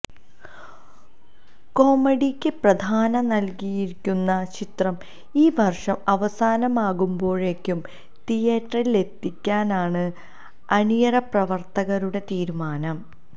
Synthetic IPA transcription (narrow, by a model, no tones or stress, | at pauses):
ko̞ːmɐɽikʲːɨprɐd̪ʱaːnɐnɐlkijiɾikʲːunːɐt͡ɕit̪rɐm | iːʋɐrʂɐmɐʋɐsaːnɐmaːɣumbo̞ːɻe̞kʲːum | t̪ijeʈːrɐrile̞t̪ːikʲːaːnaːɳɨ | ɐnijɐɾɐprɐʋɐrt̪ɐɣɐɾuɽe̞t̪iːɾumaːnɐm